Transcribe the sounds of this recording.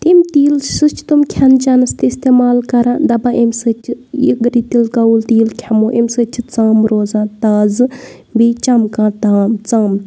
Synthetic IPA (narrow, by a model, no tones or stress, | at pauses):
t̪imt̪iːlsɨt͡ʃʰt̪umkʲʰɐnt͡ʃanɐst̪iist̪eːmaːlkɐɾãːd̪ɐbaʔemsɨt͡ʃʰijḭɡɾiːt̪ilkɐult̪iːlkʲʰɐmoːʔemsɨt͡ʃʰit͡saːmɾoːzãːt̪aːzɨ | biːt͡ʃɐmkãt̪aːmt͡saːm